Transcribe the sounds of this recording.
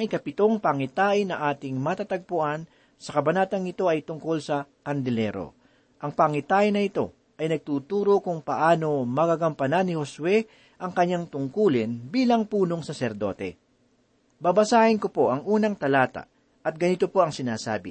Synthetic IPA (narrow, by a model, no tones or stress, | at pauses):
ɐŋɪkɐpɪt̪o̞ŋpɐŋɪt̪aːʔɪnɐʔaːt̪ɪŋmɐt̪at̪ɐɡ̚pʊʔan | sɐkɐbɐnaːt̪ɐŋɪt̪o̞ɐjt̪ʊŋko̞lsɐ | kɐnd̪ɛlɛ̰ɾo̞̰ | ʔɐŋpɐŋɪt̪aːʔɪnɐʔɪt̪o̞̰ | ʔɐjnɐɡ̚t̪uːt̪uːɾo̞kʊŋpɐʔaːno̞mɐɡaɡɐmpɐnanɪho̞swɛ | ʔɐŋkɐɲːaŋt̪ʊŋkuːlɪnbiːlɐŋpuːno̞ŋsɐsɛɾd̪o̞̰t̪ɛ̰ | bɐbɐsaːhɪnko̞po̞ʔɐŋʔuːnɐŋt̪ɐlaːt̪a̰ | ʔɐt̪̚ɡɐnit̪o̞po̞ʔɐŋsɪnaːsa̰ːbɪ̰